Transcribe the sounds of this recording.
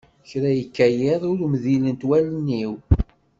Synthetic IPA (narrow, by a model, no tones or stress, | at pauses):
çɾæjəkːæjɪðˤʊɾmðilənt̪wælnːiw